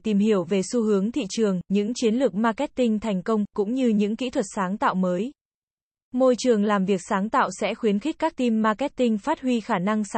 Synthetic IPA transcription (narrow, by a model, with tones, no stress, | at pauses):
t̪i˨˩mhi˧˩əwve˨˩su˧hɨ˨˦əŋt̪ʰḭ˧˨t͡ɕɨ˨˩əŋɲɨ̰˧˥ŋt͡ɕi˨˦ənlɨ˨˩ək̚maː˧kɛ˦˥t̚t̪ï˧ŋ̟t̪ʰɛ˨˩jŋ̟kə˧wŋ͡mkʊ̰˧˥ŋ͡mɲɨ˧ɲɨ̰˧˥ŋkḭ˧˥t̪ʰwə˨˩t̚saː˨˦ŋt̪a̰ː˧˨wməː˨˦j | mo˧jt͡ɕɨ˨˩əŋlaː˨˩mvi˨˩ək̚saː˨˦ŋt̪a̰ː˧˨wsɛ̰˧˥xwi˨˦ənxi˦˥k̟̚kːaː˦˥k̚t̪i˧mːaː˧kɛ˦˥t̚t̪ï˧ŋ̟faː˦˥t̚hwi˧xaː˧˩na˧ŋs